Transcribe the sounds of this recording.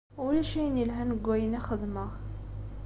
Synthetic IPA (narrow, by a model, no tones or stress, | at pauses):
wlæʃijnilɦænəɡʷːæjənæxəd̪ˤmə